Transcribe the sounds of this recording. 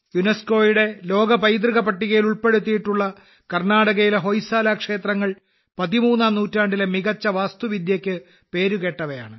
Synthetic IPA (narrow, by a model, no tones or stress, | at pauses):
junesko̞ːjiɽe̞lo̞ːɡɐpɐjd̪̬riɣɐpɐʈːiɣɐjiluɭpe̞ɽut̪̬ːijiʈːuɭːɐ | kɐrnaːɽɐɣɐjileɦo̞jsaːlaːkʂe̞ːt̪rɐŋːɐɭ | pɐðimuːnːaːmnuːtːaːɳɖilemiɣɐt͡ɕːɐʋaːst̪uʋid̪jɐkʲːɨ | pe̞ːɾuɣe̞ːʈːɐʋɐja̰ːɳɨ